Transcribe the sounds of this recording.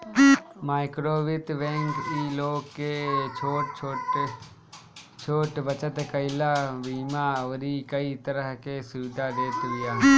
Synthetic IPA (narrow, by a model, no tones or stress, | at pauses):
maːɪkɾoːʋɪt̪ʋẽːŋkiːloːɡket͡ʃʰoːʈʰː | t͡ʃʰoːʈbət͡ʃət̪kəɪlabiːmaoɾikəit̪əɾəɦkesuːʈad̪eːt̪ɡɪjaː